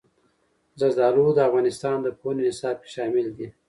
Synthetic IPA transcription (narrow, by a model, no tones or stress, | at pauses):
zazd̪ɑlud̪əafɣɑnɪst̪ɑnd̪əponinɪsɑb̚ke̥ʃɑmɪld̪i